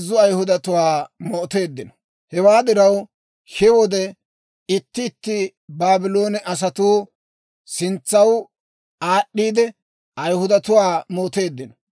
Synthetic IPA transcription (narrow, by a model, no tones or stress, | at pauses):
zːʊɐjhʊd̪ɐt̪ʊwaːmɔt̪e̞ːd̪ːɪnɔ̥ | hɛwaːd̪ɪɾɐw | ʃɪwɔd̪ɛ | ɪt̪ːɪːt̪ːɪ | baːbɪlo̞ːnɛʔɐs̬ɐt̪uː | sɪnt͡sːɐw | aːɗːiːd̪ɛ | ʔɐjhʊd̪ɐt̪ʊwaːmoːt̪e̞ːd̪ːɪnɔ̥